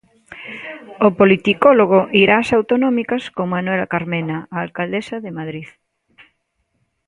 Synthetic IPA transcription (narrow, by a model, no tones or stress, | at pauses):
opolit̪ikoloɣ̞oʔiɾaːsawt̪onɔmikaskoŋmanwelakaɾmenaaːlkald̪esaðemaðɾið